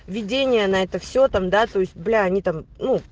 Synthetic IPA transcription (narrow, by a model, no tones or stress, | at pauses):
vʲɪdʲenʲɪjənɐɛt̪əfsʲot̪amd̪at̪o̞ɪsʲt̚ʲblʲaɐnʲit̪amnu